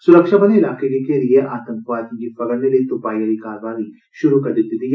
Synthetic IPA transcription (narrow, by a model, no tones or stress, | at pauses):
sʊɾəkʃabɐneɪlaːkekekelieʔaːt̪ə̃ŋkʋaːt̪ŋɡit̪fɐɡəɾneliet̪ʊpaːjəɾikaːɾʋaːɦi | ʃʊɾukɐɾd̪ɪt̪ːɪt̪ij